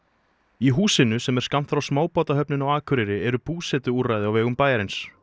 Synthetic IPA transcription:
iɦuːsɪnʏsɛmɛɾ̥skam̥t̪fɾawsmaːwpɔːt̪aɦœpnɪnawaːkʰʏɾɪɾɪɛɾʏpuːsɛt̪ʏuɾrajðɪawvɛːɣʏmpaːjaɾɪns

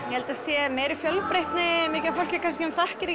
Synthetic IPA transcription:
jɛhɛlt̪asjɛmeːjɾɪfjœlpɾejht̪nɪmɪːcafowl̥cɪɾkʰans̬cɪɛmθahcɪɾɪ

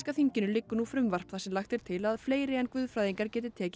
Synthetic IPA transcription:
skaθiɲcɪnʏlɪkːʏnufɾʏmvar̥pθasɛmlaxt̪ɛɾ̥t̪ʰɪlaðfleːjɾɪɛnkvʏːðfɾaːðiŋkaɾ̥cɛːt̪̬ɪt̪ʰɛːc

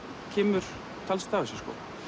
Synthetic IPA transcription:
cʰɛːmʏɾ̥ | t̪ʰalst̪aːɣasɛskɔ̰

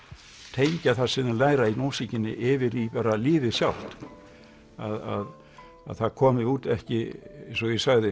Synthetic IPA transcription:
t̪ʰejɲcaθḁsɪnɪlaːjɾainowsicɪnːɪ̰ʔɪvɪɾipaɾalɪːvɪsjawl̥t̪ | a̰ða̰ð | a̰ðθaɾkʰɔːmɪuːt̪ɛhcɪnsɔjɛsaɣðɪ

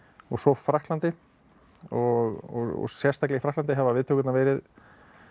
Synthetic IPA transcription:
ɔɣsɔfɾahk̪lant̪ɪ | ɔɣɔ̰ɣ̰ɣsjɛr̥st̪aklɛɣfɾahklant̪ɪɦɛvavɪðt̪ʰːoːkʏt̪navɛːɾɪð

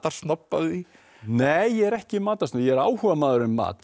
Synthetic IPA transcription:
t̪aɾ̥st̪nɔpːa̰ɣi | neːjːɛɛɾɛhcɪmaːt̪asnʏjɛɛɾaːwhʏvamaːðʏɾʏnmːa̰ːt̪

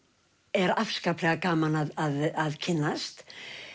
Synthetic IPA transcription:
ɛɾafskaplɛɣakaːmanaðaðaðcʰɪnːast̪

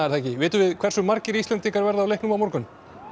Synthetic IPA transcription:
aɾθaɛcɪvɪːt̪ʏvɪðkʰv̥ɛɾrsʏmːaɾcɪɾist̪lɛnt̪iŋkaɾvɛɾðaːwlejhknʏmawmoɾkʏn

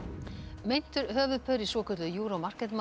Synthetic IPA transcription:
mejn̥t̪ʏɾɦœːvʏðpʰœːɾisɔːkʰœt̪lʏjuːɾawmar̥kɛt̪ma

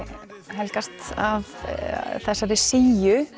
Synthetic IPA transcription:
ɦɛlkast̪av | θɛsːaɾɪsiːjʏ

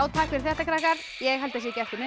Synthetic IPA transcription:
awt̪ʰaːkvɛɾ̥θɛht̪akɾahkaɾ | jɛɣhɛlt̪asɛcɛft̪ʏmɛ

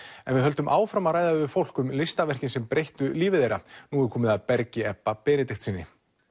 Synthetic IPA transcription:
ɛnvɪðɦœlt̪ʏmʔaːwfɾamaraːjðavɪfowl̥kʏmlɪst̪avɛr̥cɪnsɛmpɾejht̪ʏliːvɪðejɾanuːɣɪɾkʰɔːmɪðaðpɛɾcɪɛpːapɛːnɪt̪ɪxt̪siːnːɪ̰

